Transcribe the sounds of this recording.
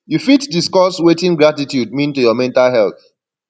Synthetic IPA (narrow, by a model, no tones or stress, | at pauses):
jufitdiskɔswetĩŋɡɹatitjud̚mĩntujɔmɛ̃ntalɦɛlθ